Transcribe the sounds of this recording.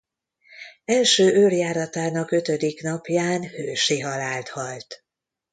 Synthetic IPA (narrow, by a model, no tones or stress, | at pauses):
ɛlʃøːʔøljaːɾɒt̪aːnɒkø̞t̪ø̞d̪iknɒpjaːnhøːʃiɦɒlaːlt̪hɒlt̪